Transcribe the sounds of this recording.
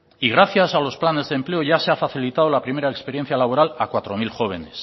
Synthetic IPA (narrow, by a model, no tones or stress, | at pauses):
iɣ̞ɾaθjasalo̞splane̞zðemple̞oʝaseafaθilit̪aðo̞lapɾime̞ɾaekspeɾje̞n̟θjalaβ̞o̞ɾalakwat̪ɾo̞milxo̞β̞e̞ne̞s